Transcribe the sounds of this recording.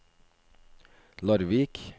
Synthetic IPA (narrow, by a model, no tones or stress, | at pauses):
lɑɾʋiːk